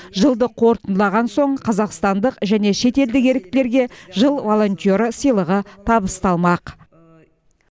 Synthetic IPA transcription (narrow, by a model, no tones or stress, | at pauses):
ʒəlˠd̪əqʰo̞ɾt̪ənlˠɑʁɑnso̞ɴqʰɑzɑqst̪ɑnd̪əqʒæne̞ʃe̞t̪e̞ld̪ɪke̞ɾɪk̚t̪ɪle̞ɾɡʲe̞ʒəlˠvo̞lˠo̞nt̪ʲio̞ɾəsəjlˠəʁət̪ʰɑbəst̪ɑlˠmɑq